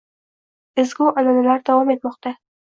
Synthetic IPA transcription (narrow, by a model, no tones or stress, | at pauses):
ɪzɡʲuʔalanalaɾd̪avɒme̞t̪mɒqt̪a